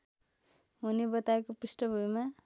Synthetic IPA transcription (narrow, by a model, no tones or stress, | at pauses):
ɦunibʌt̪aekopisʈʌbʱujma